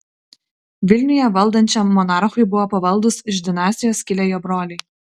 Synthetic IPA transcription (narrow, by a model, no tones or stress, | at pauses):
ʋʲɪlʲnʲʊjɛʋɐlˠd̪ɐnʲt͡ʃʲɛmːɔnɑːˑɾxʊɪbʊʋoːpɐʋɐlˠd̪ʊsɪʒd̪ʲɪnɑːsʲt̪ʲɪjoːskʲɪlʲeːjoːbɾoːlʲɪɪ